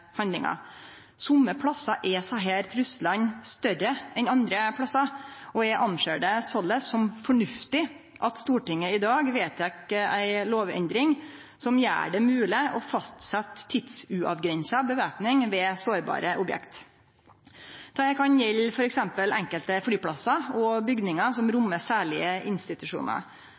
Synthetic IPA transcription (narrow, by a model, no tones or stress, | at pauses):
hɑnd̪ɪŋɑ̰ | sʊmːəpʰlɑsɑʔɛsɔɦeːɾt̪ʰɾʉslɑnst̪œrəʔɛnɑnd̪ɾəpʰɽɑsɑɔɛʔɑnʃøːɖəsɔlːəsɔmfɔɳʉft̪ɪ | ʔɑt̪st̪uːʈɪŋːəɪd̪ɑːɡʋeːt̪ʰɛkəæɪloːʋɛ̰nd̪ɾɪŋ | sɔmjæ̰ːɖɛmʉːlɪʔɔfɑst̪sɛt̪ʰːɪd̪sʉʔɑ̰ʋɡɾɛnsɑbəʋæːpnɪŋʋɛsoːɾbɑ̰ːɾəʔʊbjɛ̰kt̪ | t̪ʰɑːjæɪkʰɑnjɛlfɔɾɛksɛmpəlɛŋkəlt̪əflyːpʰlɑsɑɔbʏɡd̪nɪŋɑsɔmɾʊmːəsæːɭɪəʔɪnst̪ɪt̪ʉʂṵːnɑ̰